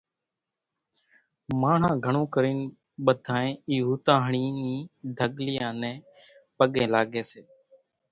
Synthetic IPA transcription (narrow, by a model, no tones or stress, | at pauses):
maːɳ̤ãːɡʱəɳõːkəɾiːn | ɓəd̪ʱaːẽːiːɦuːt̪ãːɦəɳiːĩːɖʱəɠlɪjãːnɛ̃ː | pəɠẽːlaːɠeːseː